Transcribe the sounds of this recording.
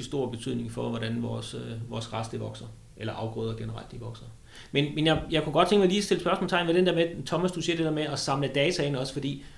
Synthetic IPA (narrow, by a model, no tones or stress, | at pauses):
isd̥o̝ɐ̰b̥e̝t͡sʰy̰ð̰ˠne̝ŋfɒ̽ʋɒɾ̥ænʋɒːsøʋɒːsʁɑsd̥eʋɒ̽ɡ̥sɐ | ʔelɐʔɑ̈ʊɡ̥ʁɔ̰ːðˠɐɡ̥enəʁɑ̈l̰d̥eʋɒ̽ɡ̥sɐ | menmenjɑ̈ɪjɑ̈ɪkuɡ̥ɒ̽d̥t͡sʰeŋɡ̥mɑliːsd̥e̝ləsb̥ɶɐsmɔlst͡sʰɑ̈ɪnʋeɾend̥eɐmet͡sʰɒ̽mæsd̥useɐ̰d̥e̝deɐmeɒ̽sɑ̈mləd̥ɛːt͡sʰæenɒ̽sfɒ̽d̥ḭː